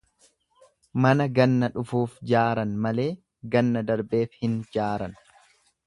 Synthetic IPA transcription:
mɐnɐɡɐnːɐᶑʊfuːfd͡ʒaːɾɐnmɐle̞ː | ɡɐnːɐd̪ɐɾbe̞ːfhɪnd͡ʒaːɾɐn

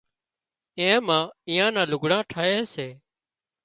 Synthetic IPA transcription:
ẽːmãːiːãːnãːlʊɡʱɽãːʈʰaːɦeːseː

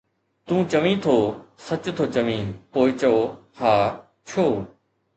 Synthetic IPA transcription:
t̪ũːt͡ɕəʋĩːt̪ʰoːsɐt͡ɕt̪ʰoːt͡ɕɐʋĩːpoːɪt͡ɕɐoːhaː | t͡ʃʰoː

